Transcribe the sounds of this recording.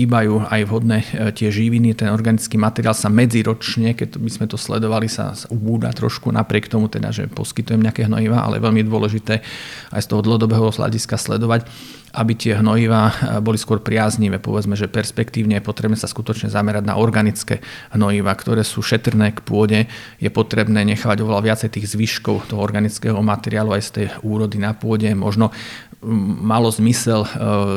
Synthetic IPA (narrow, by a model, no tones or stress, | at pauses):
iːbajuːajʋɦɔd̪nɛt̪ɪɛʒiʋinit̪ɛnɔɾɡanit͡skiːmat̪ɛɾiaːlsamɛd͡ziɾɔt͡ʃɲɛkɛct̪bizmɛt̪ɔslɛ̰d̪ɔʋalisa̰saubuːd̪a̰t̪ɾɔ̰ʃkuna̰pɾɪɛkt̪ɔmut̪ɛd̪a̰ʒɛ̰pɔ̰skit̪ujɛmɲɛakɛːɦnɔ̰jiʋaʔa̰lɛ̰jɛʋɛʎmid̪ʊɔlɛʒit̪ɛːa̰jst̪ɔɦɔd̪l̩ˠɦɔd̪ɔbɛːɦɔɦla̰ɟiskaslɛd̪ɔʋac | ʔabit̪ɪɛɦnɔjiʋaːbɔliskʊɔɾpɾɪazɲiʋɛːpɔ̰ʋɛd͡zmɛʒɛpɛɾspɛkt̪iːʊɲɛjɛpɔt̪ɾɛbnɛːsaskut̪ɔt͡ʃɲɛzamɛɾaɟna̰ʔɔɾɡanit͡skɛ̰ːɦnɔjiʋaːkt̪ɔɾɛːsuːʃɛt̪rnɛːkpʊɔɟɛjɛpɔt̪ɾɛbnɛːɲɛxaːʋaɟɔʋɛlaʋɪat͡sɛjt̪iːɣzʋiʃkɔʊt̪ɔɦɔɔɾɡanit͡skɛɦɔmat̪ɛɾɪaːluajst̪ɛjuːɾɔd̪inapʊɔɟɛmɔ̰ʒnɔ | malɔzmisɛl